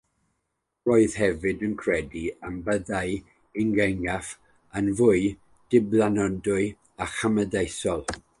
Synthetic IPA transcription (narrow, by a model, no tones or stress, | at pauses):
roːɨð̥hɛvɨdənkʰrɛdiambəðaɨ | ɪŋɡɛŋaf | anvʊɨ | d̥ɪblˠanɔndʊɨ | aχamədejsɔlˠ